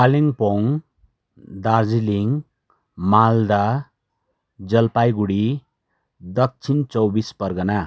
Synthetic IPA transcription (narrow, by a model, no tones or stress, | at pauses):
paliŋpoŋ | d̪ard͡ziliŋ | mald̪a | d͡zʌlpajɡuɽi | d̪ʌk̚t͡sʰint͡sʌwbispʌrɡʌna